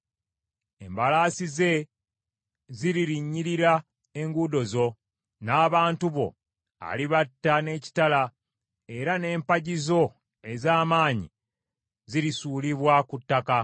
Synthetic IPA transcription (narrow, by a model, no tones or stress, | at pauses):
e̞mbalaːsize̞ | ziɾiɾiɲːiɾiɾa | e̞ŋɡudo̞zo̞ | naːβaːntuβo̞̰ | a̰liβatːane̞ːci̥tala | e̞ɾane̞ːmpaɟizo̞ | e̞zaːmaːɲḭ | ziɾisuːliβwakutːaka